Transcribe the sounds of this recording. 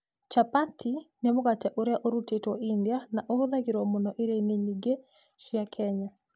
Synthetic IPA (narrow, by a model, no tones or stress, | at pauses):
t͡ʃapatʰinemʊɣatɛʔoɾeaʔoɾutetwɔindianaʔoðaɣiɾɔmʊnɔʔeɾeneɲiɡe | ʃjakʰɛɲa